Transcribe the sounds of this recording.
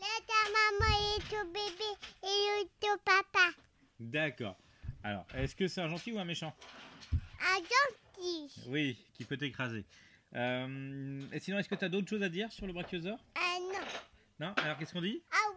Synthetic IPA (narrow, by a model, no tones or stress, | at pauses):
lat̪amamãet̪obebeːot̪opapa | d̪akɔ̰ːʁ | alɔ̰ːʁɛskəsɛt̪ɛ̃ʒɑ̃t̪iuɛ̃meʃɑ̃ | ɛ̃ʒɑ̃t̪iwikʲipøt̪ekχaze | ømesinɔ̃ɛskət̪yad̪ot̪χəʃozad̪iʁsyʁləbʁakjozœʁnɔ̃ | nɔ̃ʔalɔʁk̬ʲɛskɔ̃d̪iaw